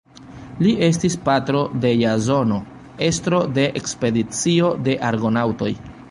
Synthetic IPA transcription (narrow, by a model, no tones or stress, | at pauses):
liʔe̞s̬tispatɾo̞de̞jazo̞no̞ | e̞stɾo̞de̞ʔekspe̞dit͡sio̞de̞ʔaɾɡo̞nawto̞j